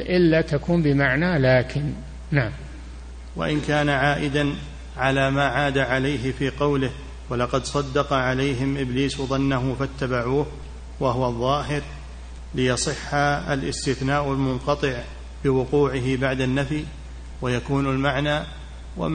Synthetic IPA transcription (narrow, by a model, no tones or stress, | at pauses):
ʔɪlːat̪akʰuːnbɪmaʕnalaːkʰɪn | naʕam | wa̰ʔɪnkaːnaʕaːʔɪd̪an | ʕalaːmaːʕaːd̪aʕalajɦɪfiːqɑwlɪh | walɑqɑd̪sˤɑd̪ːɑqɑʕalajɦɪmʔɪbliːsðˤɑnːaɦʊfat̪ːabaʕuːh | waɦʊwaðˤːɑːɦɪɾ | lɪjɑsˤɨħːaalʔɪ̰st̪ɪθnaːʔalmʊnqɑt̪ˤɨʕ | bɪwʊquːʕɪɦɪbaʕd̪anːafi | wajakuːnalmaʕnaː | wa̰